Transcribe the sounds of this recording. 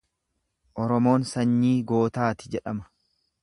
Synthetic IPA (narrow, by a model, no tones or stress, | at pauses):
ʔɔɾɔmo̞ːnsɐɲːiːɡo̞ːt̪aːt̪ɪ̥d͡ʒɛᶑɐmɐ̥